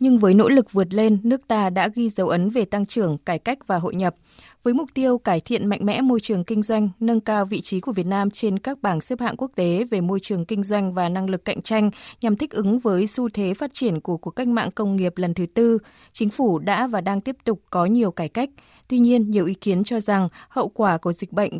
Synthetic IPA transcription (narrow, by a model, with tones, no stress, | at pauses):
ɲɨ˧ŋvəː˨˦jno̰˧˥lɨ˨˩k̚vɨ˨˩ət̬̚le˧nːɨ˦˥ək̚t̪aː˧ɗa̰ː˧˥ɣi˧zə˨˦wʔə˨˦nve˨˩t̪a˧ŋt͡ɕɨ˧˩əŋkaː˧˩jka˦˥jk̟̚vaː˨˩ɦo̰˧˨jɲə˨˩p̚ | vəː˨˦jmʊ˨˩k͡p̚t̪i˧əwkaː˧˩jt̪ʰḭ˧˨ənma̰˧˨ŋ̟mɛ̰˧˥mo˧jt͡ɕɨ˨˩əŋkï˧ŋ̟zwa˧jŋ̟nə˧nkaː˧wvḭ˧˨t͡ɕi˨˦ku˧˩əvi˨˩ət̚naː˧mt͡ɕe˧nkaː˦˥k̚ɓaː˧˩nsəː˦˥p̚ha̰ː˧˨nku˦˥ək̚t̪e˨˦ve˨˩mo˧jt͡ɕɨ˨˩əŋkï˧ŋ̟zwa˧jŋ̟vaː˨˩na˧ŋlɨ˨˩kːa̰˧˨jŋ̟t͡ɕa˧jŋ̟ɲa˨˩mt̪ʰï˦˥k̟̚ʔɨ˨˦ŋvəː˨˦jsu˧t̪ʰe˨˦faː˦˥t̚t͡ɕi˧˩ənku˧˩əku˧˩əkːa˦˥k̟̚ma̰ː˧˨ŋkə˧wŋ͡mŋi˨˩əp̚lə˨˩nt̪ʰɨ˨˦t̪ɨ˧ | t͡ɕï˨˦ŋ̟fu˧˩ɗa̰ː˧˥vaː˨˩ɗaː˧ŋt̪i˦˥əp̚t̪ʊ˨˩k͡p̚kɔ˨˦ɲi˨˩əwkaː˧˩jka˦˥k̚ | t̪wi˧ɲi˧ənɲi˨˩əwʔi˨˦ki˨˦ənt͡ɕɔ˧za˨˩ŋhə̰˧˨wkwaː˧˩ku˨˧˩zï˨˩k̚ɓə̰˧˨jŋ̟